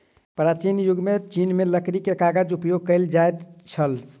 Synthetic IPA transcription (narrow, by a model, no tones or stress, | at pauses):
pɾat͡ʃinjuɡmet͡ʃinmeləkɾikekaɡəd͡ʒupjoɡ̚kəld͡ʒajt̪t͡ʃʰəl